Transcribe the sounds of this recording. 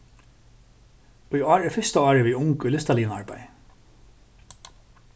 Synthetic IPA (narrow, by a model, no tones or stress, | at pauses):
ujɑːɹɛfɪst̪aɑːɹɪʋiːʊŋkʊlɪst̪aliːna̰ɹpaj